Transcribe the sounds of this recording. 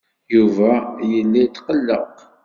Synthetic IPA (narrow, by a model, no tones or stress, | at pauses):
juvæjəlːit̪qəlːəq